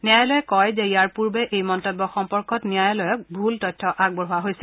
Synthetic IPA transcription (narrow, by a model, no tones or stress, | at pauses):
niajɔlɔjɛkːɔjzɛijaɹpuɹbɛʔejmɔntɔbːɔxɔmpɔɹkɔtnijajɔlɔjɔk̚bʱultɔjtʰːɔʔaɡ̚bɔɹɦuaɦojsɛ̥